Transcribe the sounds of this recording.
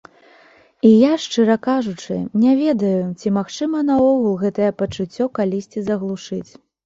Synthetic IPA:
ijaʂt͡ʂɨɾɐkaʐut͡ʂɨ̰nʲavʲɛd̪ɐjut͡sʲimaxt͡ʂɨmɐnaɔɣulˠɣɛt̪ɐjɛpɐt͡ʂut͡sʲːɔkalʲisʲt͡sʲizɐɣlˠuʂɨt͡sʲ

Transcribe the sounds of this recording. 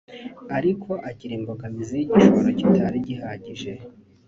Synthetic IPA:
aɾikʰo̞ʔaciɾiːmboɡamizijiɟiʃoβoɾocitʰaɾiɟiɦaːɟiʒe̞

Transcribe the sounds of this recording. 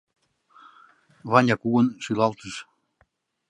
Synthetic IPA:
βɑnʲɑkuwə̆nʃylɑlˠt̪əʃ

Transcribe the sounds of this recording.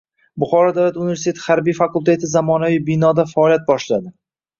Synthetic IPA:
bʊχɒɾɒd̪awlat̪unɪvʲe̞ɾsit̪ʰet̪ʰɪhaɾbijfakʊlˠt̪ʰe̞t̪ʰɪzamɒnavijbɪnɒd̪afaːljat̪̚bɒʃlad̪ɪ

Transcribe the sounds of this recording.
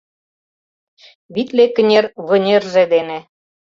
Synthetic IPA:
βit̪lekə̆nʲerβɤ̆nʲerʒĕd̪enĕ

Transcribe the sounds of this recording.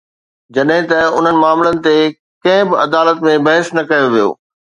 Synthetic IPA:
d͡ʑɐɗɦɪ̃t̪ɐʊn̤ənɪ̆maːmlənɪ̆t̪e | kɐ̃ɦɪ̃bɪɐd̪aːlət̪mẽbɐɦɪsnɐkɐjoʋijo̰ː

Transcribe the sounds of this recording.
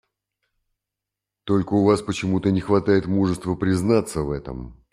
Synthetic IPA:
t̪o̞lʲkəʊvaspət͡ɕɪmut̪ənʲɪxvɐt̪ajɪt̪muʐəst̪vəpɾʲɪznat̪səvɛt̪ə̰m

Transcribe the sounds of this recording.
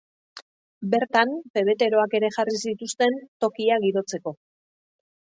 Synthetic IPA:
be̞ɾt̪anfe̞β̞e̞t̪e̞ɾo̞ake̞ɾe̞xaris̬it̪ust̪e̞nt̪o̞kiaɣiɾo̞t͡se̞ko̞

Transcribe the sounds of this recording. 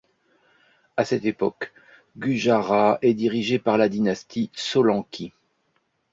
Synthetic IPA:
asɛt̪epɔk | ɡyʒaʁaɛd̪iʁiʒepaʁlad̪inast̪ʰisɔlɑ̃kʲʰi

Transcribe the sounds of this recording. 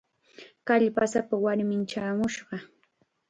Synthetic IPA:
kaʎpasapawaɾmɪnt͡ʃaːmʊʃɢɑ

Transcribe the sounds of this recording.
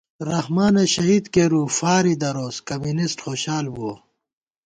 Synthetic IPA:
ɾɐhmaːneɕɐɦiːd̪keːɾuːfaːɾid̪ɐɾoːskɐmunisʈxoːɕaːlbuo

